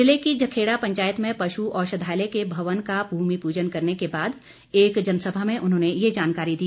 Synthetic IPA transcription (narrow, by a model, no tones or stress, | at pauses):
ɪlekid͡ʒɐkʰeːɽapɐ̃ɲt͡ʃaːjət̪mẽpɐʃuʔɔːɾʃɐd̪ʱaːɪlekebʱɐʋənkabʱuːmipuːd͡ʒənkɐɾnekebaːd̪ | eːkd͡ʒɐnəsəbʱamẽʔʊnɦõːnejed͡ʒaːnkaːɾid̪iː